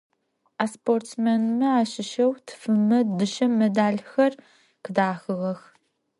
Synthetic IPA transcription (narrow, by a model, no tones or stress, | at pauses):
aːsportsmenmɐaːɕɪʃɐwtʰɨ̥fɨmɐdɨʃɐmedaːɮxɐr | qɨdaːxɨʁɐx